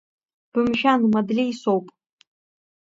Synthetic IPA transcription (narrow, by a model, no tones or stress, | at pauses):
b̥ɨmʒanmadlʲijsowpʼ